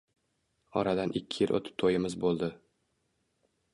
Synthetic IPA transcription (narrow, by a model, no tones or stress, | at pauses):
ɒ̰ɾad̪anʔɪkʲʰːɪjɪlʔo̰t̪ʰɪ̥t̪ʰːojɪmɪzbolˠd̪ɪ